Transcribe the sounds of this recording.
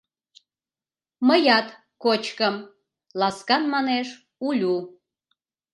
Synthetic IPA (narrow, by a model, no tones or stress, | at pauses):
məjɑt̪ | kot͡ɕkəm | lɑskɑnmɑneʃ | ulʲu